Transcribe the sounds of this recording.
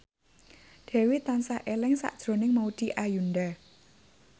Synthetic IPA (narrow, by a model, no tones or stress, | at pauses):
d̪̥ɛ̤wit̪ansaʔelɪŋsa̰ʔd̥ʒ̥ɾo̤nɪŋmaud̪̥i̤ʔajunda